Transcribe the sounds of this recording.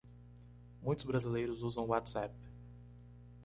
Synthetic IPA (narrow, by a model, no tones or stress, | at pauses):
mũj̃t̪ʊzbɾazilejɾʊzuzɐ̃w̃wat̪sap